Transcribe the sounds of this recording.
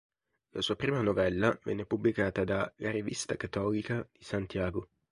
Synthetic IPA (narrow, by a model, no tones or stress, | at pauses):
lasuːapɾiːmanovɛlːavɛ̰nːepublikaːt̪ad̪alaɾivist̪akat̪ːɔːlikad̪̥isant̪jaːɡo